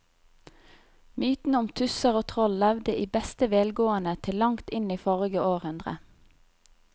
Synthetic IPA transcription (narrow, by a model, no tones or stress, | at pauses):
myːt̪n̩əʊmt̪ʰʉsəʁoːt̪ʰʁɔlːɛʋd̪əʔiːbɛst̪əʋeːlɡoːənət̪ʰɪllɑŋt̪ɪniːfɔʁɪɡəʔoːʁhʉnd̪ʁə̰